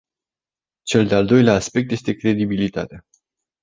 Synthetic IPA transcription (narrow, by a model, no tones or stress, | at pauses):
t͡ʃe̞ld̪eald̪o̞jleaːspe̞k̚t̪je̞st̪e̞kɾe̞d̪ibilit̪a̰t̪ea